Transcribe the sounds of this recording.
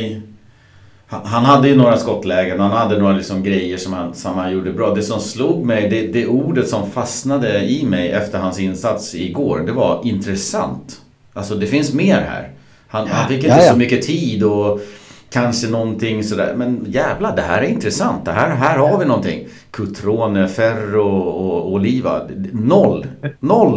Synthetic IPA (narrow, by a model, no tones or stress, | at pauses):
haɦanɦad̪ːəjɵnoːɾaskɔt̪ːlɛːɡənhanhad̪ːənoːɾalɪksɔmɡɾɛjːəʂɔmhansɔmhanjuːɖəbɾɑːd̪ɛsɔmsluːɡmɛjd̪ɛd̪ɛuːɖət̪sɔmfasnad̪əɪmɛjʔɛft̪əɾhansɪnːsat̪sɪɡoːɾd̪ɛvaɪnt̪ɾɛsa̰nt̪ | ʔalsɔd̪ɛfɪnsmeːɾhæ̰ːɾ | hanhanfɪkːɪnəsɔmʏkːət̪ʰiːd̪ɔ | kʰanʂənɔnt̪ʰɪŋːsɔd̪æ̰ːɾmɛnjæːvlad̪ɛɦæːɾæɾɪnt̪ɾɛsant̪̚d̪ɛɦæːɾɦæːɾhaɾvɪnɔnt̪ʰɪ̰ŋː | kʰɵt̪ʰɾoːnəfæɾɔɔɔliːva̰nɔlːnɔlː